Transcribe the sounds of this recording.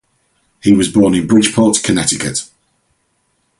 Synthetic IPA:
hiwɒzbɔːnɪ̃nbɹɪd̥ʒ̥pʰɔˑtkʰənɛtɪkə̰ʔ

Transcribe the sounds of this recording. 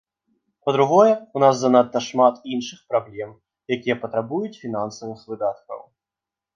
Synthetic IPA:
pɐd̪ɾuɣɔjɛunazːanat̪ːɐʂmat̪inʂɨxpɾablʲɛm | jakʲijɛpɐt̪ɾabujut͡sʲfʲinansɐvɨxvɨd̪at̪̚kɐ̰w

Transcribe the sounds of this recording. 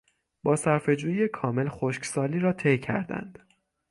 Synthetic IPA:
b̥ɒːsæɾfe̞d͡ʒuːjijekʰɒːme̞lxoʃksɒːliːɾɒːt̪ʰejcʰæ̰ɾd̪æ̰nd̪̥

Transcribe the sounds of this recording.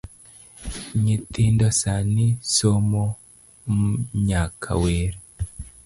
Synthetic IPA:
ɲit̪indosanisomo | ɲakʰa̰weːɾe

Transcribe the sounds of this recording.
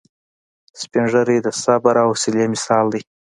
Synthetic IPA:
spinʐəɾid̪əsabaɾawsilemɪsɑːld̪əj

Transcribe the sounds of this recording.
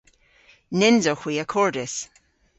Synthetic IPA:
nɪnzɔxwiəkʰɔɹdɪs

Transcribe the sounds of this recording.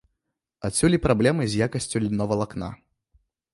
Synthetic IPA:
at͡sʲulʲipɾablʲɛmɨzʲjakɐsʲt͡sʲulʲnɔvɐlˠakna̰

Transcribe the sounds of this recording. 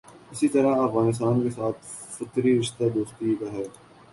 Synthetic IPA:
ɪsit̪ɐɾaɐfɣaːnɪs̬t̪aːnkesaːt̪ʰ | fɐt̪ɾiɾɪʃt̪ad̪oːst̪ik̪aɦɛː

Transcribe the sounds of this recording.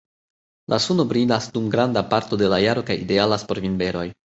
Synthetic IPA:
lʔasuno̞bɾinasdumɡɾandapaɾto̞de̞lajaɾo̞kajide̞alaspo̞ɾvinbe̞ɾo̞j

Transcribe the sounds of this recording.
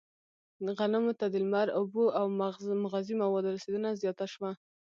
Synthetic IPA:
ɣanamot̪ad̪əlmaɾʊboʔawmʊɣɑzimawɑd̪oɾased̪ənazjɑt̪aʃwa

